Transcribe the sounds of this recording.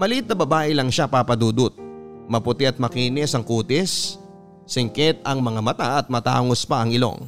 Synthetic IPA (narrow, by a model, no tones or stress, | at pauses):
mɐlit̪ːɐbɐbaːʔɪlɐŋʃapaːpɐd̪uːd̪ʊt̪̚mɐpʊt̪ɪɐt̪̚mɐkiːnɪsɐŋkuːt̪ɪsː | ɪŋkɛt̪̚ɐŋmɐŋamɐt̪aʔɐt̪̚mɐt̪a̰ːŋospɐɐŋɪlo̞̰ŋ